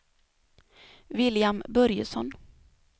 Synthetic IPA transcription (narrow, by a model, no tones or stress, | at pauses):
vɪljambœɾjə̰sɔn